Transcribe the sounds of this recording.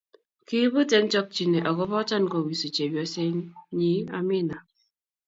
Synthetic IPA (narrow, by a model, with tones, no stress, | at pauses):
ki˦bu˦te˦n˦t͡ʃɔ˦k̚t͡ʃi˨ne˨ʔɔ˨kɔ˦bɔ˦t͡ʃa˦n˨ko˨wi˨si˨t͡ʃe˨bjɔ˦se˦ɲ˦ɲi˦a˦mi˦na˨